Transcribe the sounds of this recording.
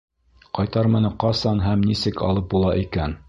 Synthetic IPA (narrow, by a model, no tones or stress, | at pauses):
qɑjt̪ɑɾmɤ̆nɤqɑsɑnɦæmnisɘkɑ̰lˠɤp̚bulˠɑʔikæn